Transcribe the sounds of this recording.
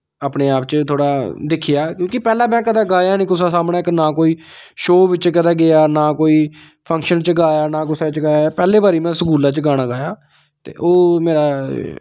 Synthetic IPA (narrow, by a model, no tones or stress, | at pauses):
aːpneːaːpt͡ʃət̪ʰoːɽaːd̪ɪkʰːɪjaːkjõːkɪpɛːlaːmɛ̃ːkəd̪aːɡaːjaːnĩːkʊsaːsaːmɳaːɪknaːkoːiːʃoːʋɪt͡ʃkəd̪aːɡɪaːnaːkoːiː | pʰə̃ŋkʃənt͡ʃəɡaːjaːnaːk̬ʊsaːt͡ʃəɡaːjapɛːleːbaːɾiːmɛ̃ːsəkuːlaːt͡ʃɡaːɽ̃ãːɡaːjaː | t̪ḛːʔoːmeːɾaː